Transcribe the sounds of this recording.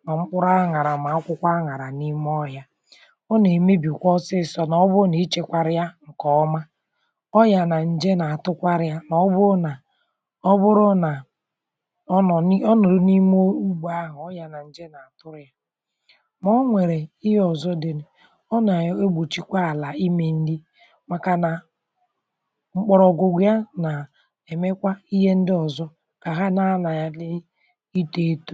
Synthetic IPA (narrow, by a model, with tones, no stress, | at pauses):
ma˨ŋ͡m̩˦k͡pʊ˦ɾa˦ŋa˨ɾa˨ma˨a˦kʷʊ˦kʷa˦ŋa˨ɾa˨ni˦m˦ɔ˦ja˦ | ɔ˦ne˨me˦bi˨kʷɔ˦sɪ˦˨sɔ˦na˨ɔ˦bʊ˦ni˨˦t͡ʃe˨kʷa˨ɾɪ˦ja˦ŋ̩˨kɔ˨ɔ˦ma˦ | ɔ˦ja˨na˨n̩˦d͡ʒe˦na˨a˨tʊ˦kʷa˦ɾɪ˦ja˦na˨ɔ˦bʊ˦na˨ | ɔ˦bʊ˦ɾʊ˦na˨˦˨ | ɔ˦nɔ˨ɾni˦mo˦u˦ɡ͡ba˦ɦʊ˨ɔ˦ja˨na˨n̩˦d͡ʒe˦na˨a˨tʊ˦ɾja˦ | mɔ˦ŋʷe˨ɾe˨i˦ɦɔ˨zɔ˦de˨ne˨ | ɔ˦na˨˦e˦ɡ͡bo˨t͡ʃi˦kʷa˦a˨la˨i˦me˨n̩˦dɪ˦ | ma˨ka˨na˨ | ŋ͡m̩˦k͡pɔ˨ɾɔ˨ɡo˨ɡʷja˦na˨ | e˨me˦kʷa˦i˦ɦe˦n̩˦dɪ˦ɔ˨zɔ˦ | ka˨ɦa˦na˦na˨ja˦lɪ˦ | i˦te˦to˦